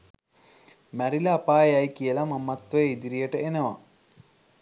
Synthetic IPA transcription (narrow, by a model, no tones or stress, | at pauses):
mæɾilɐːpaːeajkijəlamamːat̪ʋɐjəid̪iɾijəʈəenəʋa̰